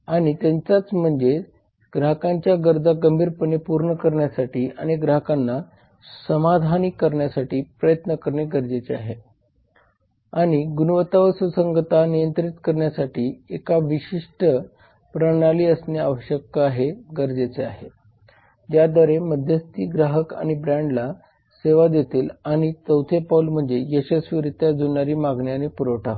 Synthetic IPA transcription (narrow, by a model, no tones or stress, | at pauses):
aɽ̃it̪jaɲt͡sat͡sm̤əɳd͡ze | ɡɾaɦəkãɲt͡ɕjaɡəɾd͡zaɡəmbʱiːɾpəɳepuɾɳəkəɾɳjasaʈiːa̰ɽ̃iɡɾaɦəkanːa | səmad̪ʱanikːəɾɳjasaʈiːpɾəjət̪nəkəɾɳeɡəɾd͡zet͡sea̰ɦe | aɽ̃iɡunuʋət̪aʋəsəsəŋɡət̪anijənt̪ɾit̪kəɾɳjasaʈiːekaʋiɕiʂʈə | pɾənaliːəsneaʋəɕjək̚t̪aaɦeɡəɾd͡zet͡sea̰ɦe | d͡ʑjad̪əɾeməd̪ʱjəst̪iːɡɾaɦəka̰ɽ̃ibɾãɳɖla | seʋad̪jet̪iːlaɽ̃it͡s̪əwt̪ʰepaulm̤əɳd͡zejeɕesʋiʋɾit̪jad͡zunaɾiːmaɡɳjanepuɾəwʈʰa